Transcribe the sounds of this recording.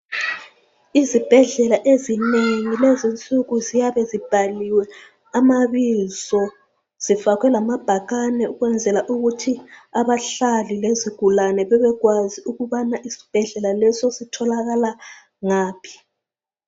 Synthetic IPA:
izib̥ʱɛɮɛlaʔezineŋilɛzint͡sʼuɣuzijaβɛzib̥ʱaliwɛ | amaβizɔ | z̥ifakʰwɛlamab̥ʱaɣanɛuɣwɛnd͡zʱɛlaʔuɣutʰiaβaɬalileziɡ̥ʱulanɛβɛβɛɣwaziuɣuβanaʔisi̥b̥ʱɛɮɛlalɛsɔsitʰɔlaɣala | ŋaːpʰi̥

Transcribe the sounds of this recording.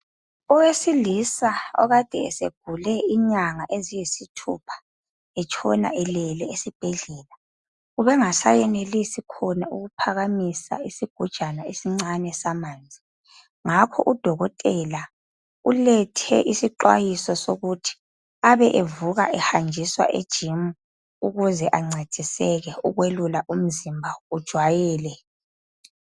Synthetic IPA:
ɔwesilisaɔ̰ɣad̥ʱɛːsḛɡ̥ʱulɛiɲaŋaʔezijisitʰṵpʰḁ | ɛt͡ʃʰɔ̰na̰ʔɛlɛlɛesib̥ʱɛɮɛːla | uβɛŋasa̰jɛnelisikʰɔnauɣupʰaɣamisa̰isiɡ̥ʱud̥ʒ̥ʱanaesiŋ͡ǀanɛsamaːnd͡zʱi | ŋakʰɔ̰ʔud̥ʱɔɣɔtʼɛla | ulɛtʰɛ̰ʔisiǃwa̰jisɔsoɣutʰi̥ | aβɛʔevuɣa̰ʔɛhand͡ʒʱiswa̰ʔed̥ʒ̥ʱimu | uɣuzɛʔaŋ͡ǀʱe̥d̥ʱisɛɣɛuɣwelulaʔum̩zimbʱaud̥ʒ̥ʱwajɛːlɛ

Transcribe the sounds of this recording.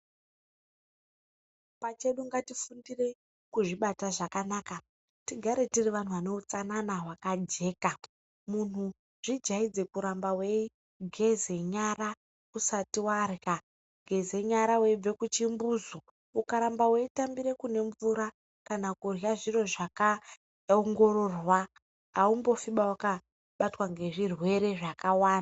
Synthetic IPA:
pat͡ʃe̞ɗuŋɡatifundire̞ | kuʐiɓataʐakanaːka | tiɡʱaɾe̞tiriʋan̤uʋane̞ut͡sananaɦwakad͡ʒe̞ːka | mun̤u | ʐ̥id͡ʒaid͡ze̞kuɾambawe̞i | ɡʱe̞ze̞ɲara | kusatiwarja | ɡʱe̞ze̞ɲaɾawe̞ib͡ve̞kut͡ʃimbuːzo | ukaɾambawe̞itambiɾe̞kune̞ɱvuɾa | kanakurjaʐiro̞ʐaka | oŋɡo̞ro̞rwa | aumbo̞fiɓawaka | ɓatwaŋɡe̞ʐirwe̞ɾe̞ʐakawaːna

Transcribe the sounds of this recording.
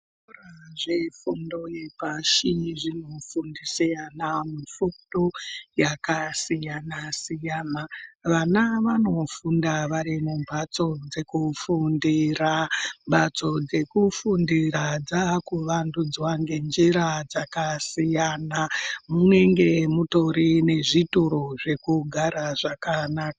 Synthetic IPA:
raʐe̞fundo̞jepaʃiʐino̞fundisijanamufudojakasijanasijanaʋanaʋano̞fundaʋaɾimumbat͡so̞d͡ze̞kufundirambʱat͡so̞d͡ze̞kufundirad͡zakuʋandud͡zwaŋɡe̞nd͡ʒiɾad͡zakasijanamune̞ŋɡe̞muto̞ɾine̞ʐituɾoʐe̞kuɡʱaɾaʐakanaka

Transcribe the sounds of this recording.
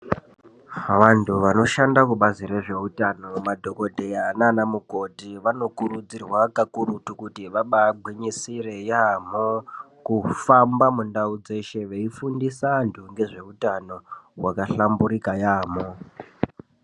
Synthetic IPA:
ʋantʰuʋano̞ʃandakuɓaziɾe̞ʐe̞utano̞madʱo̞ko̞dʱeananamuko̞tiʋano̞kuɾud͡zirwakakuɾutukutiʋaɓabʱwiɲisire̞jamo | kufambamundaud͡ze̞ʃe̞ʋeifundisantʰuŋɡe̞ʐe̞utano̞wakaɬambuɾikajaːmo̞

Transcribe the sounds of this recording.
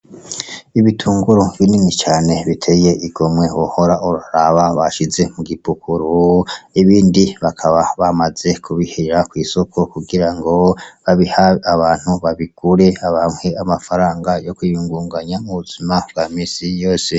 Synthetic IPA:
iβitʰuːŋɡuɾovjininit͡ʃaːne̞βitʰeje̞ʔiɡo̞mwe̞wohoɾaʔuɾuɾaβaβaʃize̞muɡipukuɾuiβiːndiβakʰaβaβamaz̥e̞kʰuβiheɾakwiːso̞kʰo̞kuɡiɾaŋɡo̞βaβihaaβaːn̥huβaβiɡ̥uɾe̞aβaːmhweamafaɾaːŋɡajo̞kujuːŋɡuːŋɡaɲamuβuz̥imabɡamiːsijo̞ːse

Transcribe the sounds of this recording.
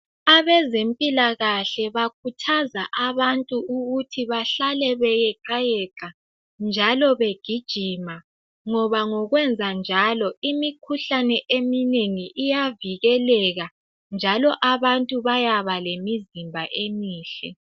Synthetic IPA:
aβɛzempʼilaɣaɬɛβakʰutʰazaʔaβantʼuuɣutʰiβaɬalɛβɛjɛǃajɛǃa | nd͡ʒʱalɔβeɡ̥ʱid̥ʒ̥ʱima | ŋɔβaŋɔɣwɛnd͡zʱand͡ʒʱalɔimikʰuɬanɛʔemineŋiʔijaviɣɛlɛɣa | nd͡ʒʱalɔʔaβantʼuβajaβalemizimbʱaʔemiːɬɛ̰

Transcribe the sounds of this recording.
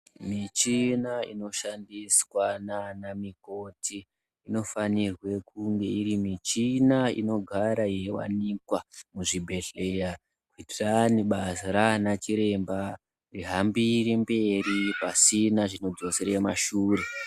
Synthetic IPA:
mit͡ʃinaḭno̞ʃandiswananamiko̞tʰiː | no̞fanirwe̞kuŋɡe̞iɾimit͡ʃinaḭno̞ɡʱaɾajewa̰nikwamuʐibʱe̞ɮeja | kwitiraniɓasɾanat͡ʃiɾe̞mba | riɦambiɾimbe̞ripasinaʐino̞d͡zo̞seɾaemaʃuːre

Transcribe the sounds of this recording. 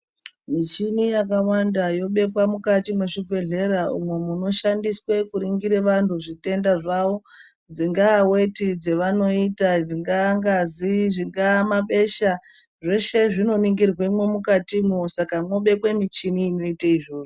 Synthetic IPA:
mit͡ʃinijakawandajo̞ɓe̞kwamukatimwe̞ʂiɡʱwe̞ɮe̞ɾaṵmwe̞muno̞ʃandiswe̞kuɾiŋɡiɾe̞ʋantʰuʐite̞ndaʐaʋo̞ | d͡ziŋɡaːwe̞tid͡ze̞ʋano̞itad͡ziŋɡaŋɡaziʐiŋɡaːmaɓe̞ʃa | ʐe̞ʃe̞ʐino̞niŋɡirwemwe̞mukatimusakamwo̞ɓe̞kwemit͡ʃiniːno̞itaiʐo̞ːʐo

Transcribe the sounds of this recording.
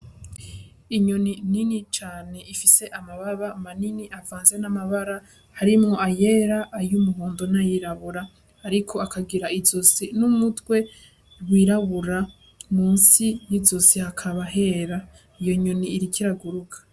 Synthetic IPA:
iɲonininit͡ʃaːne̞ifise̞ʔamaβaβamaniniʔavaːnze̞namaβaɾa | haɾimŋo̞ajeɾaʔːjumuɦoːndonajiɾaβuɾaː | ɾikʰo̞akʰaɡiɾaizosinumutwe̞ | wiːɾaβuɾa | muːnsijizosihakʰaβaɦe̞ːɾa | ijo̞ɲoniːɾikʰiɾaɡuɾukʰḁ

